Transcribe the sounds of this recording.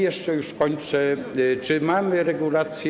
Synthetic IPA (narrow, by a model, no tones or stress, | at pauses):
jɛʂt͡ʂɛjuʂkɔɲt͡ʂɛt͡ʂɘmamɘɾɛɡulat̪sʲj